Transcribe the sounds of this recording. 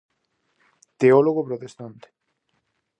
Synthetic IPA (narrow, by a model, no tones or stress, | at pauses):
t̪eoloɣopɾot̪est̪ant̪e̥